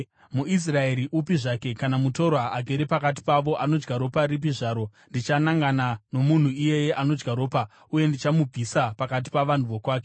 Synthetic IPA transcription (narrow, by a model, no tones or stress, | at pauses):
muis̬rae̞ɾiʔupiʐaːke̞kanamuto̞ɾwaaɡʱeɾepakat̬i̥paʋo̞ʔano̞d͡ʒɡaɾo̞paɾip̬iʐaːɾo̞ | ndit͡ʃanaŋɡanano̞mun̤uije̞je̞ʔano̞d͡ʒɡaɾo̞ːpa | uje̞ndit͡ʃamub͡visapakat̬i̥paʋan̤uʋo̞kwaːke̞